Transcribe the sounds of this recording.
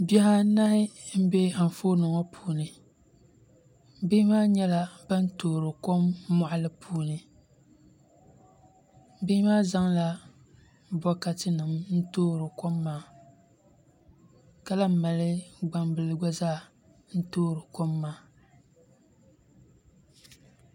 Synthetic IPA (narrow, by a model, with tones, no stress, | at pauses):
bɛ˦ha˦na˦hɪ˦m̩˦bɛ˦a˨ɱ˨foː˦nɨ˨ŋɔ˦pʰuː˦nɨ˨ | bɪ˦maː˦ɲɛ˦la˦ba˦n˦toː˦˨ɾɨ˨ko˦mːɔ˨ʔa˦lɨ˦pʰuː˦nɨ˨ | bɪ˦hmaː˦za˦ŋla˦ | bɔ˦ka˦tɨ˦nɨ˨mn̩˦toː˦ɾɨ˨ko˦mːaː˦˨ | ka˦la˦m˦˨ma˨lɨ˦ɡ͡ba˦mbɨ˨lɨ˦ɡɔ˦zaː˦˨ | n̩˦toː˦ɾɨ˨ko˦mːaː˨˦˨